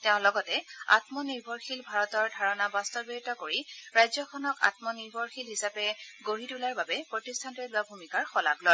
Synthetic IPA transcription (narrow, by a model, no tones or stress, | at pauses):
tɛʊ̃lɔɡɔtɛa̰tmɔniɹbʱɔɹxilbʱaɹɔtɔɹdʱaɹɔnabastɔbitɔkoɹiɹajzɔkʰɔnɔka̰t̚mɔniɹbʱɔɹxilɦisapɛɡoɹitulaɹbabɛpɹotistʰantɔlʊabʱumikaɹxɔla̰ɡlɔj